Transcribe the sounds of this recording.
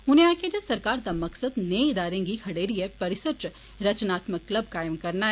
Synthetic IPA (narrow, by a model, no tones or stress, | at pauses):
ʊnẽaːked͡ʒɐsɐɾkaːɾd̪amɐksəd̪neɪd̪aːɾẽŋɡikʰɐɽeːɾiepɐɾɪsət͡ʃ | ɾɐt͡ʃnaːt̪məkːləb̚kaːɪmkɐɾnaɦɛ